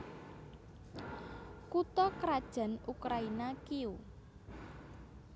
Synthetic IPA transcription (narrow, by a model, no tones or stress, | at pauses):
kut̪ɔkɾad̥ʒ̥a̤nukɾainakiu